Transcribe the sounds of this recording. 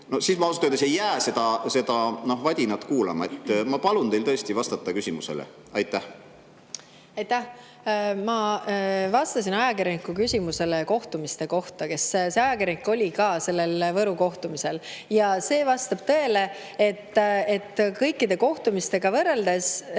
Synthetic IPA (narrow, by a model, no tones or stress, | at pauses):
nosiːsmɑosu̥t̪ːejd̪esejːæːse̞d̪ɑse̞d̪̥ɑno̞ɦvɑd̪ʲinɑt̪ˑkuːlɑ̰mɑet̪ːmɑpɑlunt̪ejlt̪ɤ̞est̪ivɑst̪ɑt̪ːˑɑkysʲimusḛlḛ | ɑjt̪ˑːæh | ɑjt̪ːæh | mɑ | vɑst̪ɑsinɑjɑkirʲɾjɑnikːˑukysʲimuse̞leko̞ht̪umist̪e̞ko̞ht̪ɑke̞sse̞ɑjɑkiɾʲjɑnikːˑo̞lʲikɑːse̞lːe̞lvɤɾuko̞ht̪umise̞ljɑse̞ːvɑst̪ɑb̥t̪ɤ̞e̞le̞ | e̞t̪ːet̪ːˑkɤjkˑːid̪e̞ko̞ht̪umist̪e̞ɡ̥ɑvɤrːe̞ld̪e̞s